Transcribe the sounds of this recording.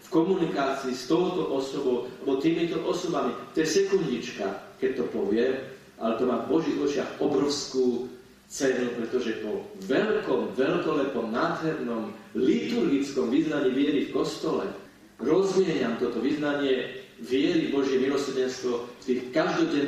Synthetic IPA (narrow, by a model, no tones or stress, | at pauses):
fkɔmunikaːt͡siːst̪ɔʊt̪ɔʔɔsɔbɔʊabɔt̪iːmit̪ɔʔɔsɔbamit̪ɔjɛsɛkundɲit͡ʃka̰kɛc̚t̪ɔpɔʋɪɛm | ʔa̰lɛt̪ɔmaːvbɔʒiːɣɔt͡ʃɪaɣɔbɾɔʊskuː | t͡sɛnupɾɛt̪ɔʒɛpɔʋɛlkɔmʋɛlkɔlɛpɔmnaːd̪ɦɛɾnɔmlit̪uɾɡit͡skɔmʋiznaɲiːʋɪɛɾifkɔst̪ɔlɛ̰ | ɾɔzmɪɛɲamt̪ɔt̪ɔʋiznaɲɪɛʋɪɛɾivbɔʒɪjɛmilɔsɛɾɟɛnst̪ʋɔft̪iːxkaʒd̪ɔɟɛn